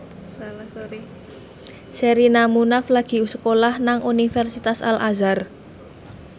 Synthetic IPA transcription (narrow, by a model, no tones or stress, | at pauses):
seɾinamunaflaɡ̥i̤usə̥kolahnaŋʔunifɛrsit̪asa̰lʔa̰zar